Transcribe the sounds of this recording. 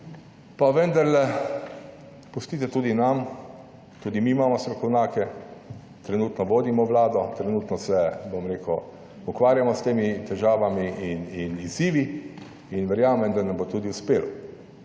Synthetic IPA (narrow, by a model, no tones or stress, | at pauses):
paʋɛnd̪aɾlɛ | pust̪iːt̪ɛt̪uːd̪inam | t̪uːd̪imiːmaːmɔst̪ɾɔkɔwnaːkɛ | t̪ɾɛnuːt̪nɔʋoːd̪imɔʋlaːd̪ɔt̪ɾɛnut̪nɔsɛbomɾeːkʊ | ukʋaːɾjamɔst̪eːmit̪ɛʒaːʋamiʔininiziːʋi | inʋɛɾjaːmɛmd̪anɐmbot̪uːd̪iuspeːl